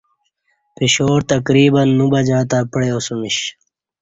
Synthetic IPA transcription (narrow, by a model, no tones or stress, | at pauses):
piɕoːɾt̪əkɾiːbɐnːubɐd͡ʑaːt̪aːpəɽeoːsumiɕ